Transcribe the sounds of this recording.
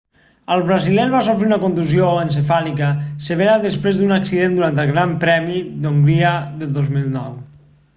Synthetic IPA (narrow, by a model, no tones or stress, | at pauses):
əlˠβɾəzilɛlβas̬ofɾeunəkont̪uzioəns̬efalikəsəβ̞eɾaðəspɾezd̪unəksiðend̪uɾant̪əlˠɣɾampɾɛmid̪oŋɡɾiəðəðozmilˠnɔw